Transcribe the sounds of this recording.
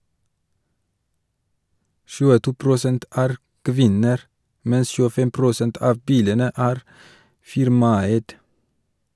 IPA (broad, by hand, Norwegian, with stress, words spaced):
ʃʉːəˈtuː pɾʊˈsɛnt ˈæːɾ ˈkʋɪnəɾ ˈmɛns çʉːəˈfɛm pɾʊˈsɛnt ˈɑːʋ ˈbiːlənə ˈæːɾ ˈfɪɾmɑˌæɪd